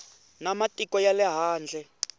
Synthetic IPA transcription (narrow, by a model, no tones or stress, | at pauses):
namatʼikɔjalɛɦaːnd͡ɮʱɛ